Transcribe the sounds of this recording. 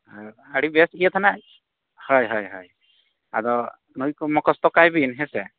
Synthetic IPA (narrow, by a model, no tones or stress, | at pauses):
a | aɽibɛsijɛt̪ʰana | hɔjɦɔjɦɔj | a̰zɔ | nujkmɔkɔst̪ɔkajbinɦɛsɛ